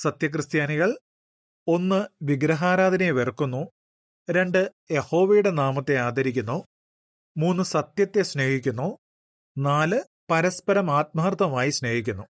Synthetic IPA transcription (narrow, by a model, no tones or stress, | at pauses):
sɐt̪jɐk̬rɨst̪jaːniɣɐɭ | o̞nːɨʋiɡɾɐɦaːɾaːd̪ʱɐneʋerkːunːu | ɾe̞ɳɖɨ | jeho̞ːʋejuɽe̞naːmɐt̪ːe̞aːd̪ʱɐɾikʲːunːoː | muːnːɨsɐt̪jɐt̪ːeɕne̞ːhikʲːunːoː | naːlɨ | pɐɾɐspɐɾɐmaːt̪̚maːrt̪ʰːɐmaːjiɕne̞ːhikʲːunːu